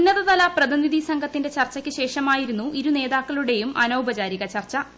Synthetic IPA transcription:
nːɐðɐðɐlɐprɐðiniðisɐŋɡʱɐt̪ːinde̞t͡ɕɐrt͡ɕːɐkʲːɨɕe̞ːʂɐmaːjiɾunːuʔiɾune̞ːðaːkːɐɭuɽe̞jumʔɐnowbɐt͡ɕaːɾiɣɐt͡ɕɐrt͡ɕːɐ

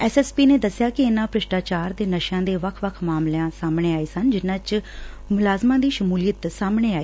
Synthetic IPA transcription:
ɛːsɛːspiːneːd̪əsɪjaːkɪɪnãːpɾɪʃʈaːt͡ʃaːɾd̪eːnəʃãːd̪eːʋəkʰʋəkʰmaːmlãːsaːmɳ̃eːaːiːsənd͡ʒɪnãːt͡ʃ | mʊlaːzmãːd̪iːʃəmuːlijət̪saːmɽ̃eːaːiː

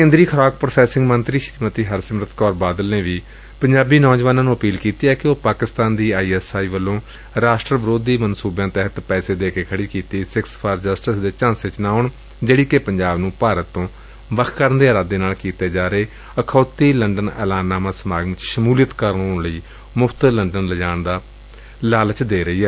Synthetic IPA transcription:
kẽːnd̪ɾiːkʰəɾaːkpɾəsɛːsɪ̃ŋɡmənt̪ɾiːʃɾiːmət̪iːɦəɾsɪmɾət̪kɔːɾbaːd̪əlneːʋiː | pəɲd͡ʒaːbiːnɔːd͡ʒʋaːnãːnũːəpiːlkiːt̪iːɛːkɪoːpaːkɪst̪aːnd̪iːaːiːɛːsaːiːʋəlːõː | ɾaːsʈɾəʋəɾoːd̪iːmənsuːbãːt̪ɛɦət̪pɛːseːd̪eːkeːkʰəɽiːkiːt̪iːsɪkspʰaːɾd͡ʒəsʈɪsd̪eːt͡ʃãːsɪt͡ʃnãːʊːɳ | d͡ʒeːɽiːkepəɲd͡ʒaːbnũːpaːɾət̪ːõː | ʋəkʰkəɾnd̪eːɾaːd̪eːnaːlkiːt̪eːd͡ʒaːɾeː | əkʰoːt̪iːləɳɖənɛ̰ːlaːnːaːmãːsəmaːɡɪt͡ʃʃəmuːljət̪kəɾəɳoːɳləiː | mʊfʰt̪ələɳɖənləd͡ʒaːɳd̪aː | laːlt͡ʃd̪eːɾəiːɛː

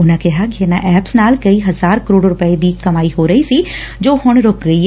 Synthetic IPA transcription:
ʊnãkɛɦaɡʱeːnaʔɛːpsnaːlkɐiɦɐzaːɾkəɾoːɖɾʊpəed̪iːkɐmaːiɦoːɾɐisi | d͡ʒoːhʊɳ̃ɾoːkɡəi

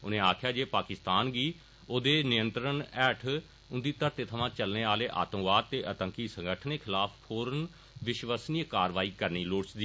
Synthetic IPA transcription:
ʊnẽːaːkʰjaːd͡ʒeːpaːkɪst̪aːnɡiː | oːd̪eːnɪjə̃nt̪ɾənɛːʈʰ | ʊnd̪iːt̪əɾt̪eːt̪ʰəʋãːt͡ʃəlneːaːleːʔa̰ːt̪əmʋaːd̪̚t̪eːʔət̪əŋkiːsə̃ŋɡəʈʰəneːkʰɪlaːpʰpʰoːɾən | ʋɪʃʋəsniːəkaːɾʋaːiːkəɾniːloːɽsd̪iː

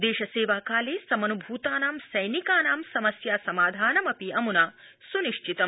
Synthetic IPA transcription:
d̪eːʃɐseːʋaːkaːleːsɐmɐnubʱuːt̪aːnaːmsɐjnikaːnaːmsɐmɐsjaːsɐmaːd̪ʱaːnɐmɐpiɐmunaːsuniʃt͡ʃit̪ɐm

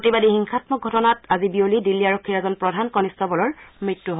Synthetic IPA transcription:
otibadihiŋxʰatmɔɡʱɔtɔnatazibiolidilːiaɹokʰːiɹɛzɔnpɹɔdʱankɔnistɔbɔlɔɹmɹitːuɦo

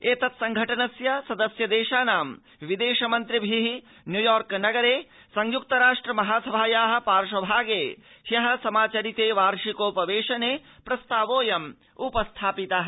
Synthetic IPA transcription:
eːt̪ɐt̪sɐŋɡʱɐʈɐnɐsjɐsɐd̪ɐsjɐd̪eːʃaːnaːm | ʋid̪eːʃɐmɐnt̪ɾibʱiɦi | njujɔːɾknɐɡɐɾeː | sɐŋjuk̚t̪ɐɾaːʂʈɾɐmɐɦaːsɐbʱaːjaːɦɐ̆paːɾʂɐbʱaːɡeː | hjɐɦɐ̆sɐmaːt͡ʃɐɾit̪eːʋaːɾʃikoːpɐʋeːʃɐneːpɾɐst̪aːʋoːjɐm | upɐst̪ʰaːpit̪ɐɦɐ

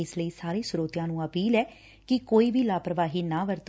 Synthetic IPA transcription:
ɪsləiːsaːɾeːsʊɾoːt̪ɪjãːnũːəpiːlɛː | kɪkoːiːbʱiːlaːpɾəʋaːɦiːnaːʋəɾt̪

